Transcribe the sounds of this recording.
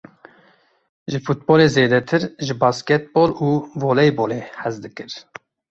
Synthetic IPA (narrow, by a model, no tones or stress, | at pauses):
ʒɨfut̪̚boːleːzeːd̪ɛt̪ʰɨɾʒɨbɑːskɛt̪̚boːluːvoːlɛjboːleːhɛzd̪ɨkɨɾ